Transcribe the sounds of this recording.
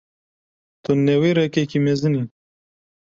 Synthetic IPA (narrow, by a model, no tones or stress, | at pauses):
t̪unːewiɾekekimezɨni